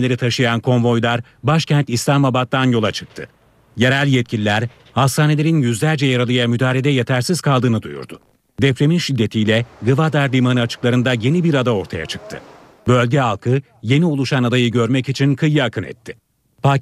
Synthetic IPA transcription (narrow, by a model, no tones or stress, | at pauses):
elʲe̞ɾit̪ʰaʃɯjankʰo̞nvo̞jlˠaɾ | baʃcʰɛnt̪ist̪amabat̪ːanjo̞lˠat͡ʃʰɯ̥k̚t̪ʰɯ̰ | jeɾælʲjɛt̪̚cʰilʲilʲæɾ | hast̪ʰaːne̞lʲe̞ɾinjyzlʲæɾd͡ʒɛjaɾalˠɯjamyd̪aːlʲe̞d̪ɛjet̪ʰæɾsiz̥kʰalˠd̪ɯːnɯd̪ṵjṵɾd̪ʊ | d̪ɛpɾe̞minʃid̪ːe̞t̪ʰijlʲɛɡɯvad̪aɾlʲimanɯat͡ʃʰɯ̥klˠaɾɯnd̪aje̞nibiɾad̪ao̞ɾt̪ʰaja̰t͡ʃʰɯ̥k̚t̪ʰɯ̰ | bø̞lʲɟɛalˠkʰɯ | je̞niolˠuʃanad̪ajɯɟø̞ɾmɛcit͡ʃʰinkʰɯjːɯakʰɯnɛ̰t̪ʰːɪ | pʰaː